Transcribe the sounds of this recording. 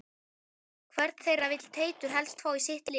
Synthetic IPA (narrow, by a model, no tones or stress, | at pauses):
kʰvɛɾt̪θejravɪt̪l̥t̪ʰeːjt̪ʏɾ̥ɦɛlst̪faːwisɪht̪lɪ